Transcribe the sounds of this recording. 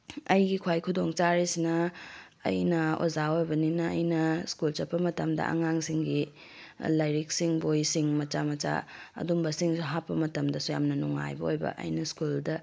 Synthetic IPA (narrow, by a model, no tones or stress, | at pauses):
ɐjɡikʰwajkʰudoŋt͡ʃaɾisinɐ̰ː | jnɐo̰zaojbɐninɐɐ̰jnɐskult͡ʃɐpːɐmɐtɐmdɐ̰ʔɐ̰ŋaŋsiŋɡi | lɐjɾik̚siŋbojsiŋmɐt͡ʃamɐt͡ʃa̰ɐ̰dumbɐsiŋɦapːɐmɐtɐmdɐsuja̰mnɐnuŋːa̰jbɐojbɐ̰ʔɐ̰jnɐskuldɐ